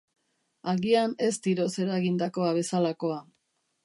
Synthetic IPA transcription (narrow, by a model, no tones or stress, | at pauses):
aɣiane̞st̪iɾo̞se̞ɾaɣind̪ako̞aβ̞e̞salako̞a